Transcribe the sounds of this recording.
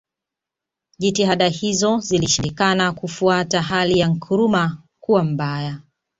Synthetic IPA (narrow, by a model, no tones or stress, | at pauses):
ʄitiɦaɗahizɔziliʃiɾikanakufuataɦalijaŋ̩kʰuɾuma | kuwam̩baja